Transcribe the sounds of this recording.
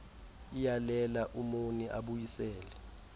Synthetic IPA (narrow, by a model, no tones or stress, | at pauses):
ijalɛlaʔumuniʔaɓujisɛːlɛ